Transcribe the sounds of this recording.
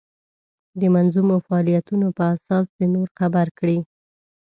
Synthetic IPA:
d̪əmanzumofaɑlijat̪unopəasɑsd̪ənoɾxabaɾkɽi

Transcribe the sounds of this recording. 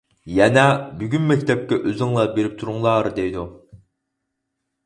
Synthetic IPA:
jɛnɛbyɡʲynmɛkʲt̪ʰɛp̚kʲɛʔøzyŋlˠɑbeɾɪp̚t̪ʰuɾuŋlˠɑːɾɨd̪ejd̪u

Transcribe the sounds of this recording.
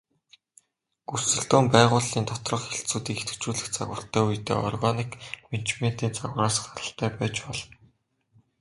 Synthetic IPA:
ɡusɵ̆ɮt̪oːmpæːʁʊːɮiːnt̪ʰɔt̪rɞ̆χxeɬt͡suːt̪iːket̪ɘ̥̆kt͡ɕuːɮɘ̆xt͡sa̰ɣʊ̰̆ːɬt̪ʰæːujt̪ḛːʔɔ̰rɣanikment͡ɕmen̥t̪iːnt͡saɣraːsɢaɾə̆ɬt̪ʰæːpæːt͡ɕpɔɮ

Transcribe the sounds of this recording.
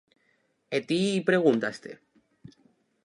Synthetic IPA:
et̪iːpɾe̞ɣ̞unt̪ast̪ḛ

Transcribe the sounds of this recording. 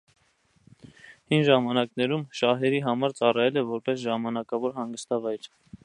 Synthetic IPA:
hinʒɑmɑnɑknɛɾumʃɑɦɛɾiɦɑmɑɾt͡sɑrɑjɛlɛvɔɾpɛsʒɑmɑnɑkɑvɔɾɦɑŋɡəst̪ɑvɑjɾ

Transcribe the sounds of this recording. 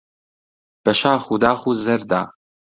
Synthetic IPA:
b̥ɛʃaːxud̪aːxuːzɛɾd̪a̰ː

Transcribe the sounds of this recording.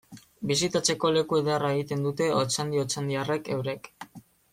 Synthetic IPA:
bis̬it̪at͡se̞ko̞le̞kue̞ðearae̞ɣit̪e̞nd̪ut̪e̞ot͡sand̪io̞t͡sand̪iare̞ke̞wɾe̞k

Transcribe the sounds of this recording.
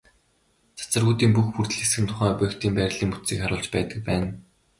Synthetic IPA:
t͡sḁt͡sə̆rɣuːt̪iːmpuxpur̥t̪ɘ̆ɮesxɘ̆nt̪ʰʊ̥χæːpœkt̪iːmpæɾʲɪ̆ɮiːŋmut̪siːkχaɾʊːɮt͡ɕpæːt̪ə̆k̚pæːn

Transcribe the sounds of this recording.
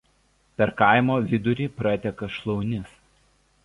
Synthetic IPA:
pʲɛɾkɐˑɪmoːʋʲɪd̪ʊɾʲiːpɾɐt̪ʲɛkɐʃlˠɔʊnʲɪs

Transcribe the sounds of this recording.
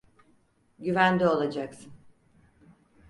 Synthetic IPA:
ɟyvænd̪ɛo̞lˠad͡ʒaksɯn

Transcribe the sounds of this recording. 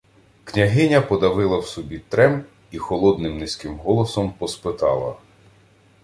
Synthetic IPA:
knʲɐɦɪnʲɐpɔd̪ɐʋɪlˠɐwsɔbʲit̪ɾɛm | ixɔlˠɔd̪nɪmnɪsʲkɪmɦɔlˠɔsɔmpɔspɪt̪ɑlˠɐ̰

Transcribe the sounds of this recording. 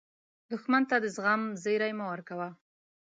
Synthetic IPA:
d̪ʊxmant̪ad̪əzɣamzeɾajmawaɾkawa

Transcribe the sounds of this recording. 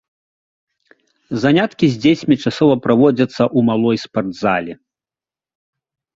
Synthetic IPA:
zanʲat̪kʲizʲd͡zʲet͡sʲmʲit͡ʂasɔvɐpɾavɔd͡zʲɐt̪sːɐʔumalˠɔjspard̪zalʲi

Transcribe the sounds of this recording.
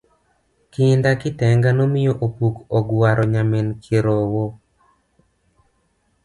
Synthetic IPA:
kɪndakɪtɛŋɡanomɪjoʔopukɔɡwaɾʔɔɲamenkʰeɾowo

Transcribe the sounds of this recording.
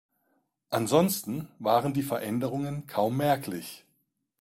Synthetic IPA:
ʔanzɔnstn̩vaːʁəndiːfɛɐʔɛndəʁʊŋənkʰaʊmːɛɐklɪç

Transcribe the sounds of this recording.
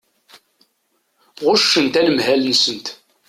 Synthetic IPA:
ʁʊʃːənt̪æləmhælənsənt̪

